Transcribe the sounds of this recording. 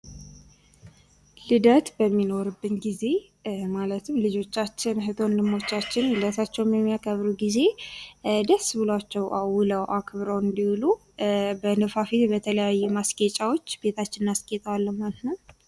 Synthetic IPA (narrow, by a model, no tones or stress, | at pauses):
lɨd̪ət̪bəmːino̞ɾɨbːɨnɡize̞ | malət̪ʰɨmlɨd͡ʒo̞t͡ʃːat͡ʃːɪnɦɨt̪ʰo̞nlɨmːo̞t͡ʃːat͡ʃːɪnɨd̪ət̪ʰat͡ʃːɛwmjɛmːijakʰəβɾuɡize̞ | d̪əsːbɨlat͡ʃːɛwʔawʊləwʔakʰβɾəwɨnd̪iwulu | bənəfafit̪bət̪ʰələjajːɛmasɡet͡ʃʼawo̞t͡ʃːbe̞t̪ʰat͡ʃːɪnnaskʼet̪ʼəwalːəmːannə